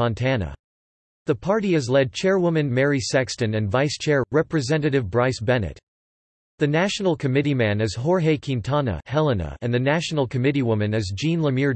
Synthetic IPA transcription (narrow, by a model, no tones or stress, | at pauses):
ɑ̃ntʰænə̰ | ðɨpʰɑɹɾiɨzlɛd̚t͡ʃʰɛɹwʊmɨ̃nmɛɹisækstɨ̃nɨ̃nvaɪst͡ʃʰɛɹɹɛpɹɨzɛ̃nɨɾɨvbɹaɪsb̥ɛnɨ̰t̚ | ðɨnæʃn̩l̩ˠkʰɨmɪɾimæ̃nɨz̥ɦɔɹɦeɪkʰɪ̃ntʰɑnə̰hɛlˠənə̰ɨ̃nðɨnæʃn̩l̩ˠkʰɨmɪɾiwʊmɨ̃nɨzd͡ʒĩnləmɪɹ